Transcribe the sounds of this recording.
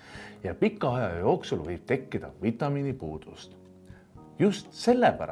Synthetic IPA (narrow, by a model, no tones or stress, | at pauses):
jɑpikːˑɑɑjɑjo̞ːksulvɤjb̥̚t̪e̞kːid̪̥ɑ̰vit̪ːˑɑminipuːd̪̥ust̪ | just̪se̞lːepæ̰ɾɑ